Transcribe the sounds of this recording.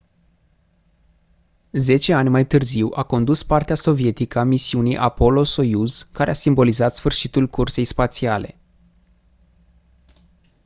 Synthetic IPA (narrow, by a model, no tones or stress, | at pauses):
ze̞t͡ʃe̞anʲmajt̪ɨrziwʔako̞nd̪uspart̪easo̞vie̞t̪ikəamisiuniʔapo̞lo̞so̞juzkaɾeasimbo̞lizat̪sfɨrʃit̪ulkurse̞jspat̪siale̞̰